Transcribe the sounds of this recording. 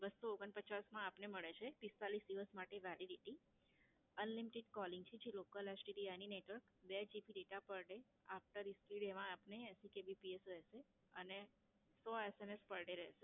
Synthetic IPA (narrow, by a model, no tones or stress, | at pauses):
bəsːooɡənpət͡ʃasmãːpneməɭet͡ʃʰepist̪alisd̪iʋəsmaʈeʋɛliɖiʈi | ənlimiʈɪɖkɔliŋɡt͡ʃʰed͡ʒilokəlesʈiɖianineʈʋəɾkbed͡ʒipiɖeʈapəɭɖe | afʈəɾiskiɽeʋãapneːsikebipiesɾəɦʃe | əne | sɔesemespəɭɖeɾə̰ɦʃe